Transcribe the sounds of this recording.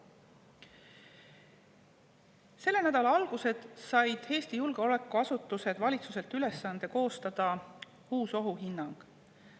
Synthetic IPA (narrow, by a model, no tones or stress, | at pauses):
se̞lːe̞næd̪̥ɑlɑɑlɡ̥use̞d̪̥sɑjd̪̥he̞ːst̪ijulɡ̥e̞o̞le̞kːˑuɑsut̪ːˑuse̞d̪̥vɑlʲit̪suse̞lt̪yle̞sːɑnd̪e̞ko̞ːst̪ɑd̪̥ɑ | huːso̞ɦuɦinːɑŋɡ̥